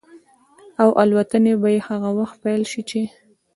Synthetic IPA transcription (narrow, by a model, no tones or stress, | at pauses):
awʔalwat̪ənebajehaɣawaxt̪̚pajlʃit͡ʃe